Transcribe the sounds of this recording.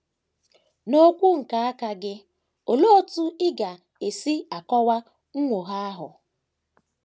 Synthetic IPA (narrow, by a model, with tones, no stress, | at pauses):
no˦kʷu˦ŋ̩˨ka˨a˦ka˦ɡɪ˦ | o˨lo˦o˦tu˦ɪ˦ɡa˨ | e˨si˦a˨kɔ˦wa˦ | ŋ̩˦ŋʷo˨ɦa˦a˦ɦʊ̰˨